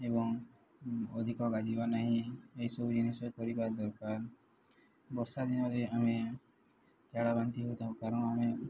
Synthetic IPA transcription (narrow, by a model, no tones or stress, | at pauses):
ebɔŋ | ɔd̪ʱikɔɡad͡ʒibanaɦĩeɦjsɔbud͡ʒinisɔkɔɾipad̪ɔɾkaɾ | bɔɾsad̪inɔɾeame | t͡ʃaɽabant̪iɦot̪ʰaukaɾɔɽ̃ɔame